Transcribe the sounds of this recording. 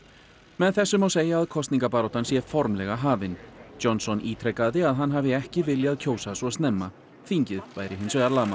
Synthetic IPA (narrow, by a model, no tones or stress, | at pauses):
mɛðθɛsːʏmawseːjaːðkʰɔst̪niŋkapaːɾɔwt̪ansjɛfɔɾmlɛɣaɦaːvɪnɔnsɔniːt̪ʰɾɛkaðɪaðɦanːɦaːvɪɛhcɪvɪljaðcʰoːwsasɔst̪nɛmːa | θiɲcɪðvaːjɾɪɦɪnsvɛðaɾlaːma